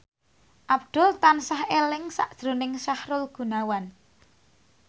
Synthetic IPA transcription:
ʔab̚d̪̥ʊ̤lt̪ansahelɪŋsa̰ʔd̥ʒ̥ɾonɪŋsahɾʊlɡ̥ṳnawan

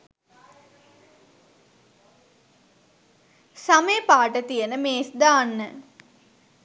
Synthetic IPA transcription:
sameːpaːʈət̪ijənəmeːsd̪aːnːə

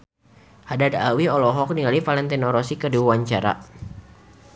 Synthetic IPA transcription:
hadadawiɔlɔɦɔk̚niŋalifalɛnt̪ɛnɔɾɔsikərdiwaɲt͡ʃaɾa̰

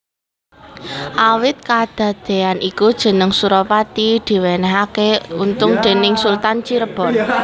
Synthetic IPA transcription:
ʔawɪt̪̚kad̪̥ä̤d̪̥e̤anʔikud̥ʒ̥ə̤nəŋsuɾɔpat̪id̪̥i̤wenɛɦakeunt̪ʊŋd̪̥e̤nɪŋsult̪ant͡ʃiɾəb̥ɔ̤n

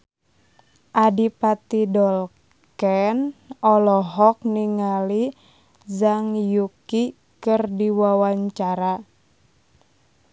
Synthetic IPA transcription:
ʔadipat̪idɔl | kɛnɔlɔɦɔk̚niŋali | zaŋjuki | kərdiwawaɲt͡ʃaɾa

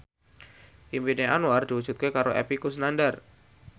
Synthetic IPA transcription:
ʔimpineʔanuard̪̥iwud͡ʒ̥ut̪̚kekaɾoʔɛ̰pikus̬ənandar

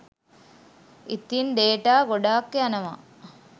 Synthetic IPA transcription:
it̪inɖ̪eːʈaːɡoɖaːkːeanɐʋa̰ː

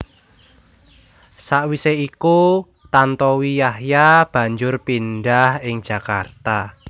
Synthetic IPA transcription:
saʔwiseiku | t̪ant̪ɔwijahjab̥ä̤ɲd͡ʒʊrpinɖahɪŋ̥d͡ʒ̥ä̤ka̰rt̪a

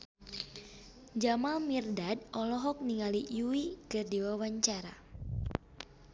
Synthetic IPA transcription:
d͡ʒamalmirdadɔlɔɦɔk̚niŋalijuwikɨrdiwawaɲt͡ʃaɾa

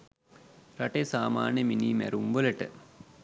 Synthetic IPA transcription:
ɾaʈesaːma̰ːnjəminiːmæ̰ɾumʋələʈə̰

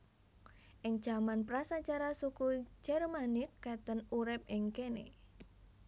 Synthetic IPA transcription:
ʔɪŋ̥ʒ̥a̤manpɾasat͡ʃaɾasuku̥d͡ʒ̥ɛrmanɪkːat̪ənuɾɪp̚ɪŋkenḛ

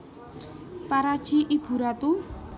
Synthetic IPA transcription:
paɾad̥ʒ̥iʔib̥ṳɾat̪u

